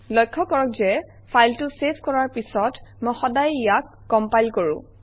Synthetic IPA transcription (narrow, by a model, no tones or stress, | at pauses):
lɔjkʰːɔkɔɹɔkzɛ | pʰajltʊseskɔɹaɹpisɔtmojxɔdajijakːɔmpajlkoɹʊ̰̃